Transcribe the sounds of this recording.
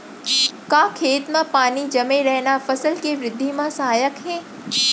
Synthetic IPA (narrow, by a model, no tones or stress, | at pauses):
kaːkʰeːt̪mãpaːnid͡ʒɐmẽɾɛɦnafɐsəlkeʋɾɪd̪ʱːimãsɐɦaːjəkɦeː